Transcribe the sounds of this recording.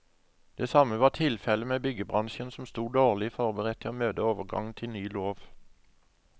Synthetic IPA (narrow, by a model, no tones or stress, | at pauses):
d̪̥eːsɑməʋɑːʁʈ̪ʰɪlfɛləmeːbʏɡəbʁɑnʃənsɔm̩st̪uːd̪oːʁlɪfɔʁbəʁɛt̪ʰːɪoːmøːd̪əoːʋəʁɡɑ̰ŋn̩t̪ʰɪlnyːloːʋ